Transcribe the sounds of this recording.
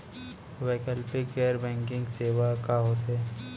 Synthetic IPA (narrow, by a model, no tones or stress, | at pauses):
ʋeːkəlʈikeːəɾbɛ̃ːŋkɪ̃ŋɡseːʋakaɦoːt̪ɦɛː